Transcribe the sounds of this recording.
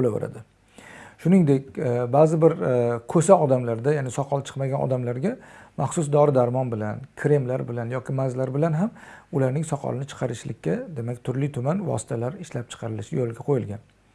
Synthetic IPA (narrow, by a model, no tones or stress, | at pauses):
bolawʊ̰ɾa̰d̪ɪ | ʃʊnɪŋd̪ekʲbazɪbɪɾkʰɵsaɒd̪amlaɾd̪ajaːnɪsɒqʰɒlˠt͡ʃʰɨ̥qmaɡʲanʔɒ̰d̪amlaɾɡʲaːaχsʊs̬d̪ɒɾɪd̪aɾmɒnbɪlankʲʰɾe̞mlaɾbɪlanjɒkʲʰɪmazlaɾbɪlanɦamʊlaɾnɪŋsɒqʰɒ̰lɪnɪt͡ʃʰɨ̥qʰɑɾɪʃlɪkʲːad̪e̞makʲt̪ʰʊɾlɪt̪ʰʊmanvɒ̰sɪ̥t̪ʰalaɾɪʃlap̚t͡ʃʰɨ̥qʰɑɾɪlɪʃɪjolˠɡʲaqʰojɪlɡʲan